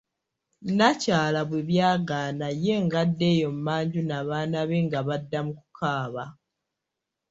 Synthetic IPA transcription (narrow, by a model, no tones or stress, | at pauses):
nacaːlaβwe̞βjaːɡaːnaje̞ŋɡadːe̞ːjo̞mmːaːɲɟunaβaːnaβe̞ŋɡaβadːamuku̥kaːβa